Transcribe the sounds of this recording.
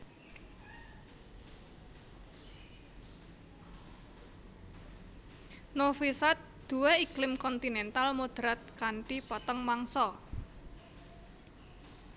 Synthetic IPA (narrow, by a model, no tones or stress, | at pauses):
nofisat̪̚d̪̥ṳweiklɪmkɔnt̪inɛnt̪almod̪̥ɾat̪̚kaɳʈipɔt̪ɔŋmaŋsɔ